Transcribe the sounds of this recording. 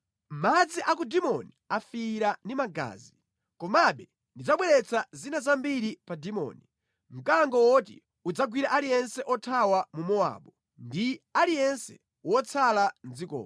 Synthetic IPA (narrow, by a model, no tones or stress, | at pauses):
m̩mad͡ziʔak̬udimɔniafiɾandimaɡa̰ːzi | kɔmaɓɛ | ndid͡zaɓwɛɾɛt͡sʰazinazambiɾipadimɔ̰ːni | m̩kaŋɡɔwɔtḭ | ud͡zaɡwiɾaʔalijɛnsɛʔɔtʰawamumɔa̰ɓɔ | ndialijɛnsɛ̥ | wɔt͡sʰaland͡zikɔ̰ːa